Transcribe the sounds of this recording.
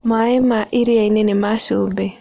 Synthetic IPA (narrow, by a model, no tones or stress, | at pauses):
maemaʔiɾiainɛnemaʃubɛ